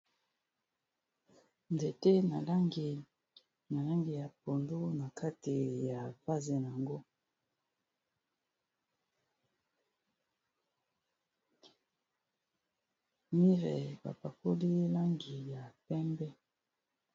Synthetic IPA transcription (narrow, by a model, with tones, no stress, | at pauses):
nde˨te˦na˨la˦ŋɡi˨ | na˨la˦ŋɡi˨ja˨po˨ndu˦na˨kʰa˦ti˨ja˨fa˦zɛ˨n˨a˨ŋɡo˦ | mi˦ʁɛ˨ba̰˨pa˨ko˦li˦la˦ŋɡi˨ja˨pɛ˦mbɛ˦